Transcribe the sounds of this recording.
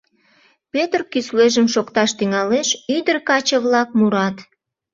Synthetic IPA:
pøt̪ərkysleʒəmʃokt̪ɑʃt̪yŋɑleʃyd̪ərkɑt͡ɕəβlɑk̚muɾɑt̪

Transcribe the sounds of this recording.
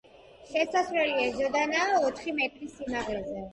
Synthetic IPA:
ʃɛsasvɾɛliazɔd̪anaːɔt̪ʰχimɛt̪ʼɾisːinaʁlɛzɛ

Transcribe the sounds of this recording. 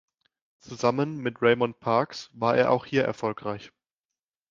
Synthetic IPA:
t͡suzamənmɪtʁeɪmɔnpʰaɐksvaːɐʔeːɐʔa̰ʊxhiːɐʔɛ̰ɐfɔlkʁ̥aɪç

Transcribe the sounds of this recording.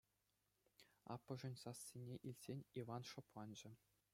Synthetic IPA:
ɑ̰pːɤ̆ʐɘ̆nʲsɑsʲːinʲeʔilʲtʲsʲenʲiʋɑnʂŏplˠɑnʑɘ̆

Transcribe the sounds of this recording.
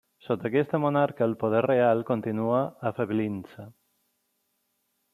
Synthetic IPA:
sot̪əkɛst̪əmonaɾkəːlpoð̞ɛrrealˠkont̪inuaːfəβlinsə

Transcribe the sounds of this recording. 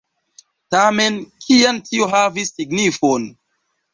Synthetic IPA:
tamenkʰiantʰioɦavisːiɡnifon

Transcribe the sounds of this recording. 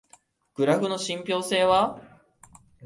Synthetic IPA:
ɡ̥ɯ̟ɾaɸɯ̟no̞ɕĩmpʲo̞ːse̞ːβa

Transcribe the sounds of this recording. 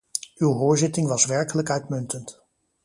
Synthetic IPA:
ywɦoːɹzɪtɪŋʋɑsʋɛɹkələkœɥtmɵntənt

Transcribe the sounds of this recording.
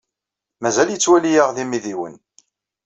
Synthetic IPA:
mæzæljət͡sːwælijəʁðimiðiwə̰n

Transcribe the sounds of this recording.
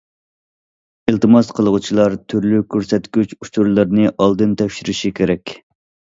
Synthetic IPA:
ilˠt̪ɨmɑsqʰəlˠəʁut͡ʃʰilˠɑɾt̪ʰyɾlykʲʰøɾsɛt̪ɡʲyt͡ʃut͡ʃuɾlˠɨɾnɨʔɑlˠd̪ɨnt̪ʰɛfʲʃiɾɪʃikʲʰeɾɛkʲ

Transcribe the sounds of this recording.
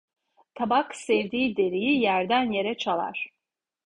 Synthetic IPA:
t̪ʰabaksɛvd̪iːd̪eɾijijæɾd̪ænje̞ɾɛt͡ʃʰalˠa̰ɾ̥

